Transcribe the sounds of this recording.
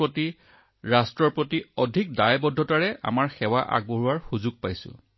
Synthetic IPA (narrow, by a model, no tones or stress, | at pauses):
oti | ɹastɹɔɹpɹotiɔdʱik̚dajbɔdʱːɔtaɹɛʔa̰maɹxɛwaʔa̰ɡ̚boɦuaɹxuzuɡ̚pajsʊ̰̃